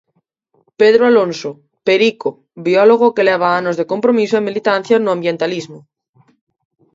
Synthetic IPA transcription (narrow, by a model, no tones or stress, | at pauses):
peðɾoalonso | peɾiko | biɔloɣ̞okeleβ̞aanozðekompɾomisoemilit̪an̟θjanoãmbje̞nt̪alizmo